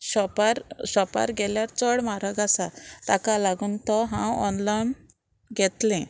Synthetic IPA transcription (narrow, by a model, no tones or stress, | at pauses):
ɕɔpaɾɕɔpa̰ɾɡɛljaɾt͡sɔɽmaɾaɡasat̪akalaɡunt̪ɔɦãwɔnlan | ɡɛt̪lɛ̃